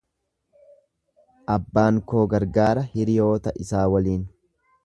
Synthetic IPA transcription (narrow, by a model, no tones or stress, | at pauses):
ʔɐbːaːŋko̞ːɡɐɾɡaːɾɐhɪɾɪjo̞ːt̪ɐʔɪsaːwɐliːn